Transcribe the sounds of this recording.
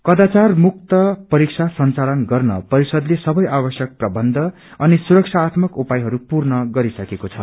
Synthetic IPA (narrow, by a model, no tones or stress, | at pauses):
kʌd̪at͡sarmuk̚t̪ʌpʌɾik̚sʰasʌnt͡salʌnɡʌrnʌ̰pʌɾisʌd̪lesʌbʌjʔabʌsjʌk̚prʌbʌnd̪ʱʌ | ʌnisuɾʌkt͡sʰaːt̪mʌkupajɦʌɾupurnʌɡʌɾisʌkekot͡sʰʌ̰